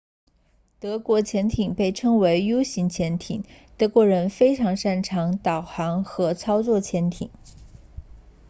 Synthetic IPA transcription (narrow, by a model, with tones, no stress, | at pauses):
t̪ɤ˧˥kwɔ˧˥t͡ɕʰjɛ˧˥nt̪ʰi˨˩ŋpe˥˩ɪʈ͡ʂʰɤ˥ŋwe˧˥ɪjo˥ʊɕi˧˥ŋt͡ɕʰjɛ˧˥nt̪ʰi˨˩˦ŋt̪ɤ˧˥kwɔ˧˥ɻə˧˥nfe˥ɪʈ͡ʂʰɑ˧˥ŋʂa˥˩nʈ͡ʂʰɑ˧˥ŋt̪ɑ˨˩ʊxɑ˧˥ŋxɤ˧˥t͡sʰɑ˥ʊt͡swɔ˥˩t͡ɕʰjɛ˧˥nt̪ʰḭ˨˩˦ŋ